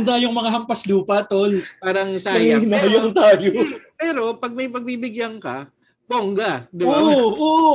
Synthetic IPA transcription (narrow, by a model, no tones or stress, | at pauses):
nd̪aːjoŋmɐŋaɦɐmpɐsluːpɐt̪olpaːɾɐŋsaɐɪnaːjoŋt̪aːjopɛːɾo̞pɐɡ̚mɐjpɐɡ̚bibɪɡjaŋkɐ | boŋɡɐd̪ɪoʔʔoːʔo